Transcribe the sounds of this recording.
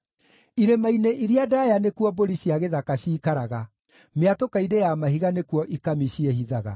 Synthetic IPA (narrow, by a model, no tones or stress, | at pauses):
iɾemaineʔiɾiadaːjanekuɔboɾiɕjaɣeðakaɕiːkaɾaɣa | meatokaidejamaɦiɣanekuɔʔikamiɕieɦiðaɣa̰